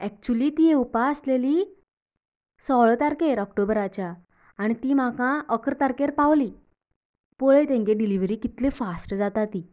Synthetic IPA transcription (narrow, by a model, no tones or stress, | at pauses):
ɛk̚t͡ɕuliːt̪ieupaəsleli | sɔɭt̪aɾkeɾɔk̚ʈobɾat͡ɕjaː | ɽ̃it̪iːm̤akãʔəkɾət̪aɾkeɾpawli | poɭet̪ẽŋɡeɖiliʋɾiːkit̪lefasʈd͡zat̪at̪i